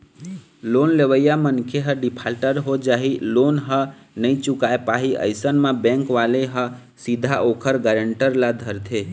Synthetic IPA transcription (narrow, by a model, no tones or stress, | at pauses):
lonleʋəjamənkʰeɦəɖipʰalʈəɾɦod͡ʒaɦilonɦə | nəit͡ʃukaepaɦiə̰ɪsənmãbɛ̃ŋkʋaleɦə | sid̪ʱaʔokʰəɾɡəɾəɳʈəɾlad̪ʱəɾt̪ʰe